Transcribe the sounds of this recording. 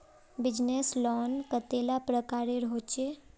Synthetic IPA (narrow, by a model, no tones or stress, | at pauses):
bɪd͡ʒneslɔːnkət̪elapɾəkaːɾeɾɦot͡ʃe